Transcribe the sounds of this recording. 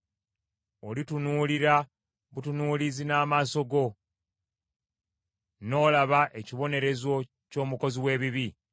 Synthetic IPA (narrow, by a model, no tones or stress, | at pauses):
olitunuːliɾa | βutunuːlizinaːmaːso̞ɡo̞ | no̞ːlaβaʔe̞ciβo̞ne̞ɾe̞zo̞ | co̞ːmuko̞ziwe̞ːβiβi